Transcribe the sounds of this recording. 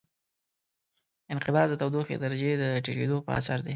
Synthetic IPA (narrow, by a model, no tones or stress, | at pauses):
ɪnqɪbɑzd̪ət̪awd̪oxḛd̪aɾad͡ʒed̪əʈeked̪opə̰a̰saɾd̪e